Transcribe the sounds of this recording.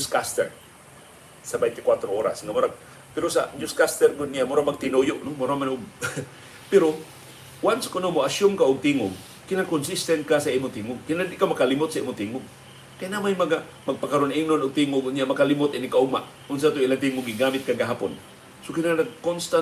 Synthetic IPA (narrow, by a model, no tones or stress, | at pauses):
d͡ʒʊskast̪ɛ̰ɹ | sɐbɛjnt̪ɪkwat̪ɾooːɾa̰sŋamʊɾaɡ̚ | pɛɾosa̰d͡ʒʊskast̪ɛɾɡʊd̪̚nɪjamʊɾamɐɡ̚t̪ɪnojoʔnomʊɾamanʊɡ | pɛɾo | wanskʊnomoʔaʃomkaʔʊɡ̚t̪iːŋʊɡ̚ | kɪnakonsist̪ɛnt̪̚kasɐʔiːmʊt̪iːŋʊɡ̚kɪnad̪ʔkawmɐkalɪmʊt̪sɐḭːmʊt̪iːŋʊɡ | kajnamajmɐɡa | mɐɡ̚pɐkɐɾonɪŋnonʊɡ̚t̪iːŋʊɡʊd̪nɪjaʔmɐkalɪmʊt̪ɪnɪkaʔʊɡ̚maʔ | ʊns̬at̪oʔɪlant̪iŋʊɡɪɡaːmɪt̪̚kaɡɐɦaːpo̰n | sokɪnanɐɡ̚konst̪an